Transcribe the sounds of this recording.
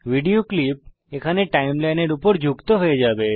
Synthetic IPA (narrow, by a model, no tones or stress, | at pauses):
ʋiɽijoklip̚ | ekʰaneʈaimlajneɽupəɾd͡ʒʱukt̪oɦəed͡ʒabe